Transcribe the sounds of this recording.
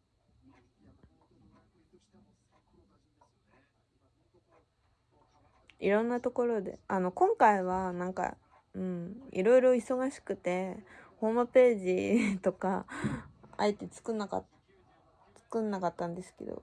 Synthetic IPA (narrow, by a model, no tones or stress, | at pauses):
iɾõ̞nːat̪o̞ko̞ɾo̞d̪e̞̰ano̞kõ̞ŋkaiβ̞anãŋka̰ | ɯ̟̃ɴḭɾo̞iɾo̞iso̞ɡaɕi̥kɯ̟t̪e̞ho̞ːmɯ̟pe̞ːʑit̪o̞ka̰ | a̰it̪e̞t͡sɨ̥kɯnːaka̰ | t͡sɨ̥kɯ̟̃nːakat̪ːãnd̪e̞sɨ̥ke̞̰d̪o̰